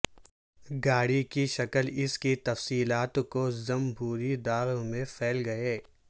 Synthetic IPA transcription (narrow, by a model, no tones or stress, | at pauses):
ɡaːɽikiʃɐkəlɪskit̪ɐfsiːlaːt̪kozɐmbʱuːɾid̪aːɾmẽfʰɛːlɡɐeː